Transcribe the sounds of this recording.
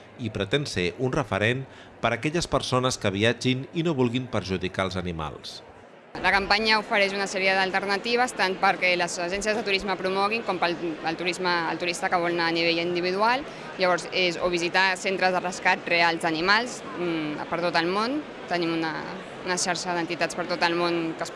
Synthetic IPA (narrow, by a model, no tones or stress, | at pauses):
ipɾət̪ensḛʔunrəfəɾen | pəɾəkɛʎəspəɾsonəskəβ̞iad͡ʒininoβulˠɣimpəɾʒuðikaəlˠzənima̰lˠs | ləkampaɲəufəɾɛʃ̬unasɛɾiəðəlˠt̪əɾnət̪iβ̞əst̪anpəɾkɛləzəʒɛnsiəzðət̪uɾizməpɾumɔɣ̞iŋkɔmpəlːlˠt̪uɾizməːlt̪uɾist̪əkəβɔlnaːniβ̞eʎind̪iβ̞iðualˠ | ʎəβɔɾzezo̰β̞izit̪asent̪ɾəzðərəskat̪realˠzənimalˠs | pəɾt̪ot̪əlˠmon | t̪ənimunə | unəʃaɾʃəðənt̪it̪at͡sspəɾt̪ot̪əlˠmonkəs